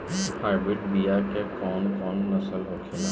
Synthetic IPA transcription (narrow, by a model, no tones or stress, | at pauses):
haːɾbɪʈbijakekɔːnkɔːnnɐsəlɦoːkʰela